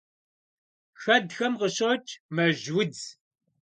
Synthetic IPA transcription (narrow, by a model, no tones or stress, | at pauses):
xɐd̪xɐmʁəɕot͡ʃʼmɐʒwɨd͡z